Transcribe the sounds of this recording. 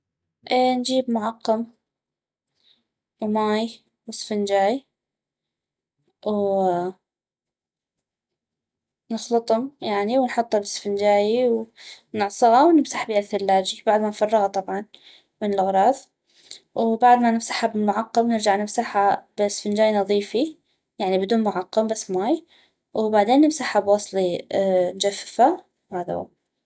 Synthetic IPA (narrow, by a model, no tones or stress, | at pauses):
ʔind͡ʒiːbmʊʕɑqːɑm | wmaːj | wɪsfɪnd͡ʒaːj | w | nɨxlɨt̪ˤhʊmjaʕniwnħʊt̪ˤːɑbɪsfɪnd͡ʒaːjiw | nɪʕsˤɨɣɑwnɪmsaħbiaθɪlːaːd͡ʒibaʕd̪manfɑrˤːɑɣɑt̪ˤɑbʕɑn | mɪnɪlʔɣɾˤɑːθ | wbaʕd̪manɪmsaħabɪlmʊʕɑqːɑmnɪɾd͡ʒaʕnɪmsaħab̥ɪsfɪnd͡ʒaːjnɑðˤiːfi | jaʕnibɪd̪uːnmʊʕɑqːɑmbasːmaːj | wbaʕd̪eːnːɪmsaħabwɑsˤlind͡ʒafːfa | whaːða̰a̰